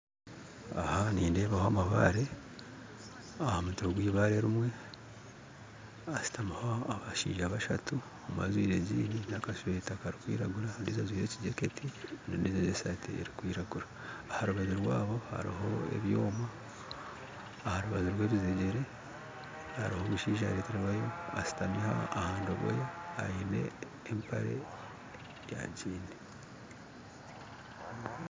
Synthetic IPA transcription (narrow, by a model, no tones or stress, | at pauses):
a̰haniːnde̞ːβahoamaβa̰ːɾe̞ | ahamutoɡwiːβaɾe̞ɾimwe̞ | asi̥tamahoaβaʃḭːʒaβaʃatʰu | oma̰zwiːɾe̞ɟiːninakaʃetakaɾikwḭːɾaɡuɾandizazwiːɾe̞ciɟeketʰinondizazesatʰeḛɾikwiːɾaɡuɾaː | haɾuβaziɾwaːβo̞ha̰ɾḭɦo̞e̞̰βjo̞ːma | haɾuβaziɾwe̞ːβizeɟe̞ɾe̞ | haɾihoːβuʃiːʃ̬aɾeːteɾawajo̞a̰si̥tamiha̰ːhaːndoβo̰jaaine̞̰ː | mpʰa̰ɾe̞̰ | ja̰ɟiːni